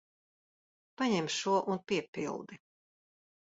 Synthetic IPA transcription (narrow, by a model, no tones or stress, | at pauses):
paɲɛmʃuɔʔunpʲiɛpḭlˠd̪i